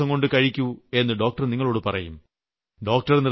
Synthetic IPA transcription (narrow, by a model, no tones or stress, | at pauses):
ɐŋko̞ɳɖɨkɐɻikʲːue̞nːɨɖo̞ːk̚ʈɐrniŋːɐɭo̞ːɽɨpɐrɐjum | ɖo̞ːk̚ʈɐrnir